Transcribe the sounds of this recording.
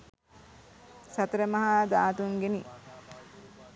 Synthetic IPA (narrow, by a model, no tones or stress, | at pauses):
sat̪əɾəmɐɦaːd̪aːt̪uŋɡeni